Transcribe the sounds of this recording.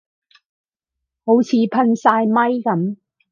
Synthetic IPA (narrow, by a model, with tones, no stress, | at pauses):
ho˨˥wt͡sʰiː˨˧pʰɐ˧nsaː˧jmɐ˥jkɐ˨˧m